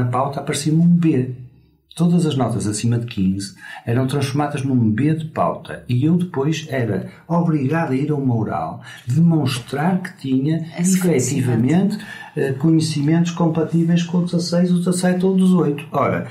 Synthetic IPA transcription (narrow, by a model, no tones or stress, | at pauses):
ɐpawt̪apɐɾsĩnũbe | t̪oðɐzɐʒnɔt̪ɐzɐsimɐðɨkʰĩzɛɾɐ̃w̃t̪ɾɐ̃ʃfuɾmaðɐʒnũbeðɨpa̰wt̪ʰɐ̰iewðɨpojʃɛɾɐ̰ | ɔβɾiɣaðɐiɾɐumɐuɾa̰lˠd̪ɨmõʃt̪ɾaɾkɨ̥t̪iɲɐifɛt̪ivɐmẽnt̪ɛkuɲɨsimẽnt̪u̥ʃkõmpɐt̪ivejʃkõud̪ɨzɐsejzuzɐsɛt̪oðɨzojt̪u̥ɔɾɐ̰